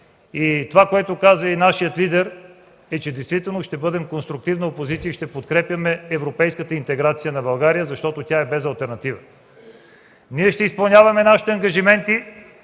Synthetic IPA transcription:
it̪ovakoɛt̪okazəinaʃijət̪lid̪ɛɾ | ɛt͡ʃɛd̪ɛjst̪vit̪ɛlˠnoʃt̪ɛbɤd̪ɛmkonst̪ɾʊk̚t̪ivnɐopozit̪siəiʃt̪ɛpot̪kɾɛpjɐmɛːvɾopɛjskət̪əint̪ɛɡɾat̪sijənɐbɐlˠɡaɾijəzɐʃt̪ɔt̪otʲaɛbɛzɐlˠt̪ɛɾnɐt̪ivə | niɛʃt̪ɛispɐlˠnʲavɐmɛnaʃi̥t̪ɛɐŋɡɐʒimɛnt̪i

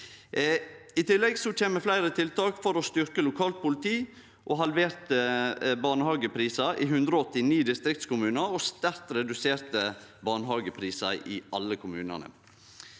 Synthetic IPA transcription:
ɪt̪ʰɪlːɛɡsɔt͡ʃʰeːnməflæɪɾət̪ʰɪlt̪ʰɑːkfɔɾɔst̪ʏɾkəlʊkʰɑːlt̪̚pʊlɪt̪ʰiː | ʔoɦɑlʋeːɾt̪əbɑːɳəhɑːɡəpʰɾiːsɑʔɪɦʉnd̪ɾɔɔt̪ːɪniːd̪ɪst̪ɾɪkt̪skʊmʉːnɑɾɔst̪æɾt̪ɾɛd̪ʉseːɾt̪əbɑːɳəɦɑːɡəpʰɾiːsɑʔɪʔɑlːəkʰʊmʉːnɑ̰nə̰

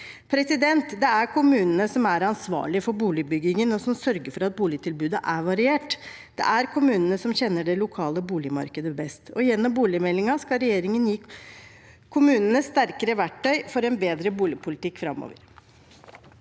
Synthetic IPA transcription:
pʰɾɛsɪd̪ɛnt̪d̪ɛæɾkʰʊmʉːnənəsɔmæɾɑnsʋɑ̰ːɭɪəfɔɾbuːlɪbʏɡɪŋənɔsɔmsœɾɡəɾfɔɾɑt̪̚buːlɪt̪ʰɪlbʉːd̪əʔæʋɑɾɪeːʈ | d̪̥ɛ̰ʔæɾkʰʊmʉːnənəsɔmçɛnːəɖɛlʊkʰɑːləbuːlɪmɑ̰ɾkəd̪əbɛst̪ʰɔjɛnːɔmbuːlɪəmɛlːɪŋɑskɑlɾɛjeːɾɪŋənjiː | kʰʊmʉːnənəsst̪æɾkəɾəʋæʈːœʏfɔɾɛnbeːd̪ɾəbuːlɪpʰʊlɪt̪ɪkːfɾɑ̰mːo̰ːʋə̰ɾ

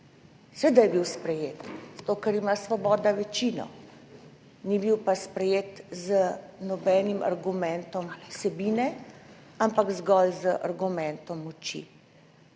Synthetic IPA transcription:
sʋeːd̪ajɛbiwspɾɛjeːt̪z̥at̪oːkɐɾimasʋɔbɔːd̪aʋɛt͡ʃiːnɔ̰ | nibiwpaspɾɛjeːt̪zənɔbɛːnima̰ɾɡumɛnt̪ɔmsɛbiːnɛ | ampaɡzɡɔlzəʔa̰ɾɡumɛnt̪ɔmɔt͡ʃḭ

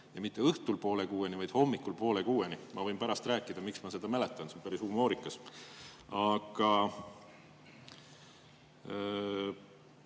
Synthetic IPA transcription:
jɑmit̪ˑːe̞ɤht̪ulpo̞ːlekuːenivɑjd̪̥ho̞mːikːˑulpo̞ːlekuːenimɑvɤ̞jmpæɾɑst̪ræːkːˑid̪̥ɑmiksmɑse̞d̪̥ɑmelet̪ːˑɑnseonpæɾisumoːɾikːˑɑs | ɑɡ̥ɑ

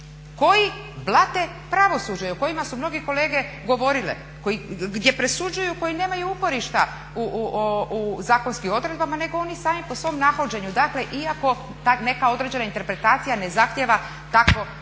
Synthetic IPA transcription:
ko̞ji | blˠat̪e̞ | pɾaʋo̞sud͡ʑajuko̞jimasumno̞ɡeko̞le̞ːɡe̞ | ɡo̞ʋo̞ɾilḛ | kojiɡd̪je̞pɾe̞sud͡ʑujuko̞jineːmajuuko̞ɾiʃt̪a | uouzaːko̞nskimo̞d̪ɾe̞d̪bamane̞ɡoo̞nisaːmipo̞sʋo̞mnaxod͡ʑe̞ɲud̪akle̞ʔiako̞ | t̪ane̞kao̞d̪ɾe̞d͡ʑe̞naint̪e̞ɾpɾe̞t̪aːt̪sijane̞zaxt̪jeʋa | t̪akʋo̞

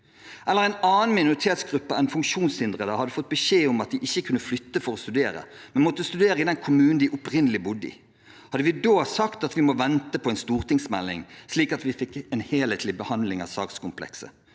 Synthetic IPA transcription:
ʔɛlːəʁæɪnɑːn̩mɪnʊʁɪt̪ʰeːt̪sɡʁʉpːəæɪnfʉŋkʃuːnshɪnd̪ʁəd̪əhɑd̪ːəfɔt̪̚ːbəʃeːʊmɑt̪̚d̪ɪʔɪçːəkʰʉnːəflʏt̪ːəfɔʁɔst̪ʉd̪eːɾə̰ | mɛnmɔt̪ːəst̪ʉd̪eːʁəɪd̪ɛnkʰʊmʉːnn̩d̪ɪʔʊpʁɪnəlɪbʊd̪ːəɪ̰ | hɑd̪ːəʋɪd̪oːsɑkt̪ɑt̪ʋɪmɔʋɛnt̪əpʰɔɛɪnst̪uːʁt̪ʰɪŋsmɛlːɪ̰ŋsliːkɑt̪ʋɪfɪkːɛːnheːleːt̪lɪbəhɑnlɪŋɑ̰sɑ̰ːk̪skʊmpʰlɛ̰ksə̰

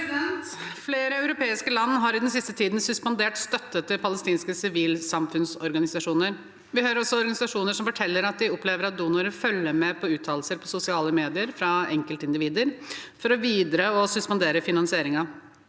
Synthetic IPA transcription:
d̪ɛnt̪fleːɾəœʉɾʊpeːɪskəlɑnːɦɑɾɪd̪ɛns̬ɪst̪ət̪ʰiːd̪n̩sʉspɑnd̪eːʈst̪œt̪ːət̪ʰːɪlpʰɑləst̪iːnskəsɪʋiːlsɑmfʉnsɔɾɡɑnɪsɑʂuːnəɾ | ʋɪhøːɾɾɔsːɔɔɾɡɑnɪsɑʂuːnəʂɔmfɔʈʰɛlːəɾɑt̪̚d̪ɪɔpleːʋəɾɑt̪̚d̪uːnɑɾəfœlːəmɛpʰɔʉːt̪ʰɑːl̩səɾpʰɔsʊsɪɑːləmeːd̪ɪəɾfɾɑɛŋkəlt̪ɪnd̪ɪʋiːd̪əɾfɔɾɔʋiːd̪ɾəɔsʉspɑnd̪eːɾəfɪnɑnsɪeːɾɪŋɑ

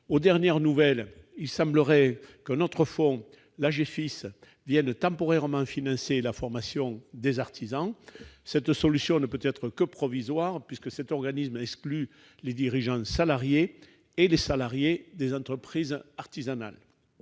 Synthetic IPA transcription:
od̪ɛʁnjɛʁnuvɛlilsɑ̃mbləʁɛkɛ̃nɔt̪χəfɔ̃ | laʒefis | vjɛnt̪ɑ̃pɔʁɛʁəmɑ̃finɑ̃selafɔʁmasjɔ̃d̪ezaʁt̪izɑ̃sɛt̪sɔlysjɔ̃nəpøt̪ɛt̪χəkəpχɔvizwaʁpɥiskəsɛt̪ɔʁɡanismɛkskly | led̪iʁiʒɑ̃salaʁjeː | lesalaʁjed̪ezɑ̃t̪χəpχizaʁt̪izana̰l

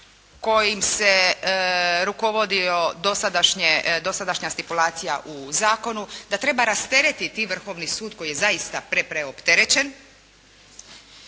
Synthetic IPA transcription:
ko̞jimse | ɾuko̞ʋo̞d̪io̞d̪o̞sad̪aʃɲed̪o̞sad̪aʃɲast̪ipulaːt̪sija̰ʔuzaːko̞nud̪at̪ɾe̞baɾast̪e̞ɾet̪it̪iːʋr̩xo̞ːʋnisuːd̪ko̞jije̞zaist̪apɾe̞pɾeo̞pt̪e̞ɾe̞t͡ɕe̞n

